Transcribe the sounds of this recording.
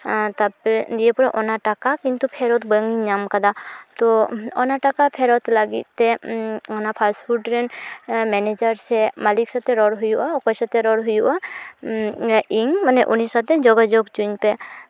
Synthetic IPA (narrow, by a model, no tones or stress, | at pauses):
t̪ad͡ʒiepɔɾaʔɔnaʈakakint̪upʰɛɾɔt̪bəŋiɲamkad̪at̪ɔɔnaʈakapʰɛɾɔt̪laɡḭt̪̚t̪ːɛɔnapʰasfʰuʈɾɛnmɛned͡ʒaɾt͡ʃʰɛmaliksat̪ɛɾɔɽɦujuʔaɔkɔjsat̪ɛɾɔɽɦujuʔa | iŋmanɛʔunisat̪ɛd͡ʒɔɡad͡ʒoɡt͡ʃuɲpɛ